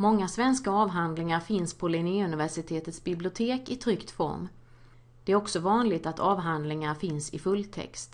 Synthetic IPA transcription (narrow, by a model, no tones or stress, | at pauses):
mɔŋːasvɛnskaɑːvɦand̪lɪŋaɾfɪnspʰɔlɪniːɵnɪvæʂɪt̪ʰeːt̪ət̪sbɪblɪʊt̪ʰeːkɪt̪ʰɾʏkt̪fɔ̰ɾm | d̪̥ɛæɾɔksɔvɑːnlɪɡt̪at̪ʰɑːvɦand̪lɪŋaɾfɪnsɪfɵlːt̪ʰɛ̰kst̪